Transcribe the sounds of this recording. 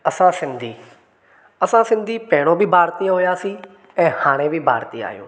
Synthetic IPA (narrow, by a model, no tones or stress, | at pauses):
əsãːsɪ̃nd̪ʱiː | əsãːsɪ̃nd̪ʱiːpɛːɽ̃õːbʱiːbʱaːɾt̪iːãɦʊjaːsiː | ɛ̃ːhaːɽ̃ẽːbʱibʱa̰ːɾt̪iːa̰ːjõ̰ː